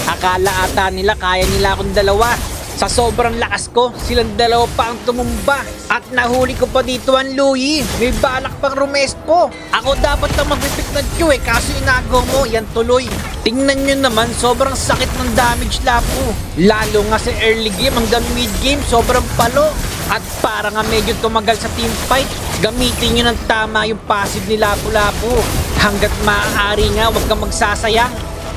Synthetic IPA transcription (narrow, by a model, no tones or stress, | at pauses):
ʔɐkaːlɐʔaːt̪anɪlakaːjɐnɪlaʔɐkoŋd̪ɐlɐwa | sɐso̞ːbɾɐŋlɐkɐsko̞sɪlaŋd̪ɐlɐwapɐʔɐŋt̪ʊmʊmba | ʔɐt̪̚nɐhuːlɪkopɐd̪iːt̪oʔɐnluːjimɐjbaːlɐk̚pɐŋɾʊmɛspo̞ | ʔɐko̞d̪aːpɐt̪̚nɐmɐɡbibɪk̪̚nɐŋ̚t͡ʃuɛkaːsoɪnaːɡoɐmo̞jant̪ʊlo̞j | t̪ɪŋnɐnɲonɐmanso̞ːbɾɐŋsɐkɪt̪̚nɐŋd̪aːmɪd͡ʒlaːpʊlaːlʊŋasɐʔɛɹlɪɡɛjmɐŋɡɐmːɪt̪̚ɡejmso̞ːbɾɐŋpɐlo̞ʔ | ʔɐt̪̚paːɾɐŋamɛd͡ʒot̪ʊmɐɡalsɐt̪ɪmpajt̪̚ɡɐmiːt̪ɪnɲonɐŋt̪aːmɐjʊŋpaːsɪd̪̚nɪlaːpʊlaːpʊhɐŋɡat̪̚mɐʔaːɾiŋawɐɡ̚kɐmɐɡ̚saːsɐja